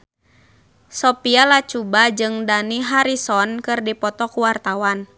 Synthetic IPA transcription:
sɔpialat͡ʃubad͡ʒɨŋdaniɦaɾisɔnkɨrdipɔt̪ɔkuwart̪awan

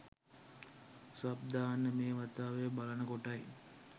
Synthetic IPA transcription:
sʋab̚d̪aːnːəmeːʋat̪aːʋejəbalənəkoʈaj

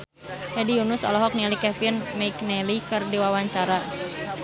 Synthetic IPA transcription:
hɛdiunʊsɔ̰lɔɦɔk̚nɛlikɛfinmɛjknɛlikɨrdiwawaɲt͡ʃaɾa

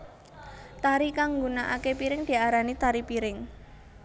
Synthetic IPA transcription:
t̪aɾikaŋɡunaʔakepiɾɪŋd̪̥i̤aɾanit̪aɾipiɾɪŋ

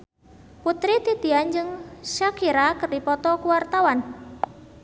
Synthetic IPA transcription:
put̪ɾit̪it̪iand͡ʒɨŋʃakʰiɾakərdipɔt̪ɔkuwart̪awan

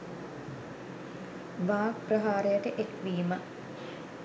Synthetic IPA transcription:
ʋaːprəɦaːɾejəʈəʔekʋiːmə

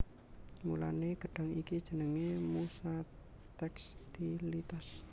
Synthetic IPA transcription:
mṵla̰neɡ̥ə̤ɖ̥a̤ŋikid̥ʒ̥ə̤nəŋemusa | t̪ɛkst̪ilit̪as

